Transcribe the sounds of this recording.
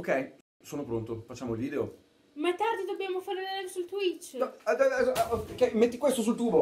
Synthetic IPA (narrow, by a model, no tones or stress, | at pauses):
okːɛj | soːnopɾont̪ofat͡ʃːaːmoilviːd̪eo | maɛt̪ːard̪id̪objaːmofaɾelɛsult̪wit͡ʃː | kːɛjmet̪ːikwest̪os̬ult̪uːbo